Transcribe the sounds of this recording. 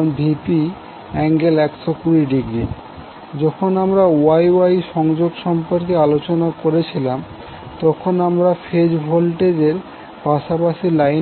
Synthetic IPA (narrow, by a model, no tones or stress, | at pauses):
bʱipi | ɛŋɡelɛkʃokuɾiɖiɡɾi | d͡ʑɔkʰonamɾaoajwajʃɔŋd͡ʑoɡʃɔmpoɾkealot͡ɕonakoɾet͡ɕʰilam | t̪ɔkʰonamɾafʰed͡ʑbʱolʈed͡ʑeɾ | paʃapaʃilaj